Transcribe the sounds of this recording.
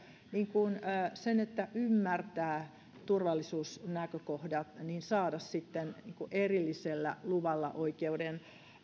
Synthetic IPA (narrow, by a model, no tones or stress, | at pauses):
niːŋkunːsenet̪ːæʔymːært̪æː | t̪urʋɑlːisuːsnækøkohdɑt̪niːnsɑːdɑssit̪ːenniːŋkuʔerilːiselːæ̰luʋɑlːɑ̰ʔoikeuden